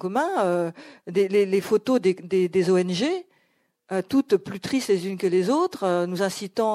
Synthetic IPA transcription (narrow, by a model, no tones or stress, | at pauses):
kɔmɛ̃ød̪elelefot̪od̪ed̪ed̪ezoɛnʒe | øt̪ut̪plyt̪χist̪lezynkəlezot̪χønuzɛ̃sit̪ɑ̃